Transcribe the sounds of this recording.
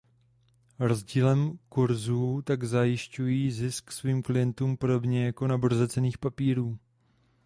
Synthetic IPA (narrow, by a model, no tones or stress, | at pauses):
ɾo̞zɟiːlɛmkuɾzuːt̪aɡzajɪʃcujiːzɪsksviːmklɪjɛnt̪uːmpo̞do̞bɲɛjako̞naboɾzɛt͡sɛniːxpapiːɾuː